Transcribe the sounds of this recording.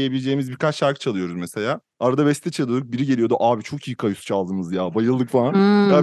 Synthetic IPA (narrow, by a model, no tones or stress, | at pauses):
jebilʲed͡ʒe̞jimizbiɾkat͡ʃʃaɾkʰɯ̥t͡ʃʰalˠɯjo̞ɾuzmese̞lʲaː | aɾad̪aβɛst̪ʰɛt͡ʃʰalˠɯd̪ɯk̚biɾiɟe̞lʲijo̞d̪uʔaːbit͡ʃʰo̞kʰiːkʰajusu̥t͡ʃʰalˠd̪ɯmɯzjaːbajɯlˠd̪ɯkfalˠana